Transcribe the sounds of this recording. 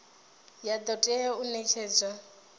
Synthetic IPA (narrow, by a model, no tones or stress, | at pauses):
jad̪ɔtʼɛjɔunɛt͡ʃʰɛːd͡za